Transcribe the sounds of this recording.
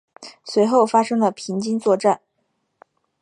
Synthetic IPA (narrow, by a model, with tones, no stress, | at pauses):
swe˧˥ɪxo˥˩ʊfa˥ʂɤ˥ŋlə˨pʰi˧˥ŋt͡ɕi˥nt͡swɔ˥˧ʈ͡ʂa˥˩n